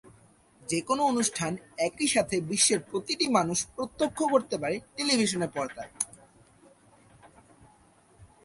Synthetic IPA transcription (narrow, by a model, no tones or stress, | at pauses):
d͡ʑekonoonuʃʈʰanɛkiʃat̪ʰebiʃːeɾpɾot̪iʈimanuʃpɾot̪ːokʰːokoɾt̪epaɾeʈelibʱiʃ̬oneɾpɔɾt̪aɾ